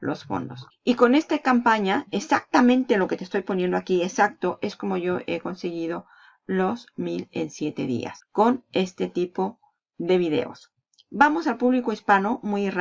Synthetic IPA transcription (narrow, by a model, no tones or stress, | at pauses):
lo̞̰sfo̰nd̪o̞s | iko̞ne̞st̪akampaɲaesak̚t̪amẽnt̪e̞lo̞ket̪est̪o̞jpo̞nje̞nd̪oakiesak̚t̪o̞ʔe̞sko̞mo̞ʝo̞ʔe̞ko̞nseɣið̞o̞ | losmile̞̰nsje̞t̪e̞̰ðḭa̰sko̞ne̞st̪e̞t̪ipo̞ | ðe̞β̞iðe̞̰o̰s | bamo̞salpuβlikoispano̞mujr